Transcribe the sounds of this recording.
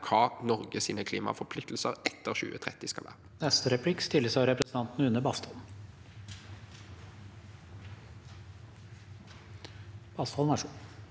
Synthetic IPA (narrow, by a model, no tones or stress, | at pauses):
kʰɑːnɔʁɡəsiːnəkʰliːmɑ̰fɔʁpʰlɪk̚t̪l̩səʁɛt̪ːəʁɕʉ̰ːət̪ʰʁɛt̪ːɪskɑ̰ʋæ̰ːʁənɛst̪əɾɛpʰlɪkːst̪ɪlːəsɑɾɛpɾəsn̩ɑnt̪nəʉnːəbɑst̪ɔl | b̥ɑst̪hɔlæʂu